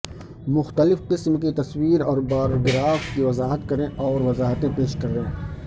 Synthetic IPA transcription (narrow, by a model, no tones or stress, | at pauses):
mʊxt̪əlɪfqɪsmkit̪ɐswiːɾɔːɾbaːɾɡɾaːft̪kiʋɐzaːɦət̪kɐɾẽʔɔːɾʋɐzaːɦt̪ẽpeːʃkɐɾẽː